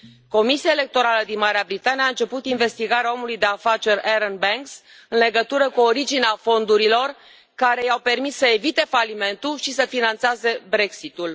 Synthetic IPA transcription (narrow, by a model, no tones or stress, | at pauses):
ko̞misiaele̞k̚t̪o̞ɾaləd̪inmaɾeabɾit̪anieaɨnt͡ʃe̞put̪inve̞st̪iɡaɾeao̞mulujd̪e̞afat͡ʃe̞reɾənbeŋks | ɨnleɡət̪uɾəkuoɾid͡ʒineafo̞nd̪uɾilo̞r | kaɾe̞jawpe̞rmisːəe̞vit̪e̞falime̞nt̪ulʃisəfinant̪saze̞bɾe̞ksit̪ul